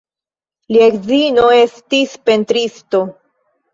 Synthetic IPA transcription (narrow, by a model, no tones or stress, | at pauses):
liekzino̞e̞stispe̞ntɾisto̞